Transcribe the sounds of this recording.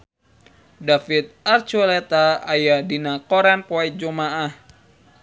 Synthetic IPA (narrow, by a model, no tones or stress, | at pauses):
dafit̪̚art͡ʃulet̪aajadinakɔɾanpɔɛd͡ʒomaʔah